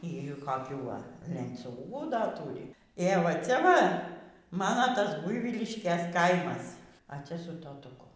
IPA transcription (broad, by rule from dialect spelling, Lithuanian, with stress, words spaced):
iː ɡʲɪ kɐˈkʲuː ˈʋɐ lʲɛnʲˈt͡sʲuːɡuː ˈdɐ ˈtuːrʲɪ eː ʋɐ ˈt͡sʲɛ ˈʋɐ ˈmɑːnoː ˈtɐs ˈbʊɪʋʲiːlʲɪʃʲkʲeːs ˈkɐɪmɐs ɐ ˈt͡sʲɛ sʊ toːtʊˈkʊ